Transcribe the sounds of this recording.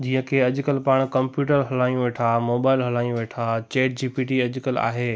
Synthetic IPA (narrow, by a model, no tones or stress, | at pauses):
d͡ʑiːə̃kʰeɐʄʊ̆kəlpaːɽ̃kɐ̃mpjuːʈəɾɦɐlaːjũʋeːʈʰaːmoːbaːɪlɦɐlaːjũʋeːʈʰat͡ɕeːʈ̚d͡ʑiːpiːʈiɐʄʊkəla̰ːɦeː